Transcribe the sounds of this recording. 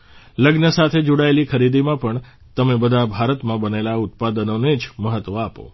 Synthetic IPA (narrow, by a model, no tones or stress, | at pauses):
ləɡnəsat̪ʰed͡ʒoɽaelikʰəɾid̪imãpəɳ | t̪əmebəd̪ʱabʱaɾət̪mãbənelaʊt̪̚pad̪ənoned͡ʒməɦət̪ʋəapo̰